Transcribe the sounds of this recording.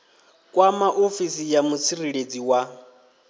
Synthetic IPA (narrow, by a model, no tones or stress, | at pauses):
kʼwamaʔofisijamut͡sʰiriɺed͡ziwa